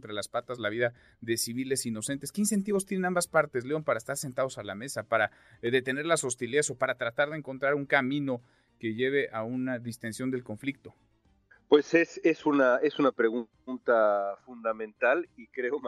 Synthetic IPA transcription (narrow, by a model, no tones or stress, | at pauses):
nt̪ɾe̞laspat̪azlaβ̞iða | ðe̞siβ̞ile̞sino̞se̞nt̪e̞ske̞inse̞nt̪̬iβost̪jene̞nambaspaɾt̪e̞zleo̞mpaɾaest̪aɾse̞nt̪að̞o̞salame̞sapaɾa | ðe̞t̪ene̞ɾlaso̞st̪iliso̞paɾat̪ɾat̪aɾðeːŋko̞nt̪ɾaɾuŋkamĩno̞ | ke̞ʝe̞β̞e̞ʔaunaðist̪e̞nsjond̪e̞lko̞ɱflik̚t̪o̞ | pwe̞sesesunae̞sunapɾeɣu | nt̪afund̪amẽ̞nt̪alikɾeom